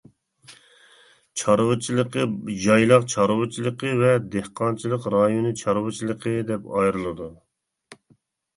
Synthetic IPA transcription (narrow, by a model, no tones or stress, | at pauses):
t͡ʃʰɑɾwɨt͡ʃʰilˠəqəd͡ʒɑjlˠɑqt͡ʃʰɑɾwɨt͡ʃʰilˠəqʰəvɛd̪ehqʰɑnt͡ʃʰilˠəqɾɑjonɨt͡ʃʰɑɾwɨt͡ʃʰilˠəqʰəd̪ɛpɑjɾɨlˠɨd̪u